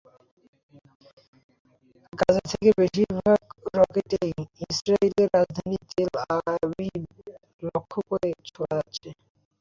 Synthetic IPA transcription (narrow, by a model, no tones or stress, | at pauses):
ɡad͡ʑet̪ʰekebeʃiɾbʱaɡɾɔkeʈejisɾaiɾeɾːad͡ʑd̪ʱanit̪elabi | lokʰːokoɾet͡ɕʰoaatːɕʰe